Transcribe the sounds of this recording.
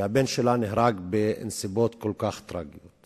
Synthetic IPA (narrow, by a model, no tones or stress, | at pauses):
habenʃelanehɾaɡbensibot̪kolkaχt̪ɾaɡijot̪